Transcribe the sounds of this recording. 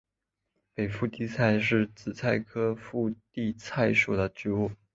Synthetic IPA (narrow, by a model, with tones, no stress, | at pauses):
pe˨˩ɪfu˥˧t̪i˥˧t͡sʰa˥˧ɪʂɻ̩˥˩t͡sɹ̩˨˩t͡sʰa˥˩ɪkʰɤ˥fu˥˧t̪i˥˧t͡sʰa˥˩ɪʂu˨˩d̪ə˦ʈ͡ʂɻ̩˥u˥˩